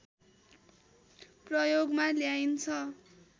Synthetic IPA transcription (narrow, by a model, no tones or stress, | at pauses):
prʌjoɡmaljajnt͡sʰʌ